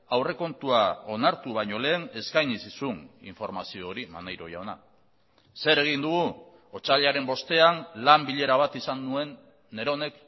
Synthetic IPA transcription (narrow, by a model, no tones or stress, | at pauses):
awre̞ko̞nt̪uao̞naɾt̪uβ̞ajɲo̞le̞ːne̞skajɲisisunḭɱfo̞ɾmasio̞ːɾima̰najɾo̞̰ja̰wna̰ | se̞ɾe̞ɣ̞ind̪uɣ̞u | ot͡saʎaɾe̞mbo̞st̪e̞anlambiʎe̞ɾaβ̞at̪isanːue̞nː | e̞ɾo̞ne̞k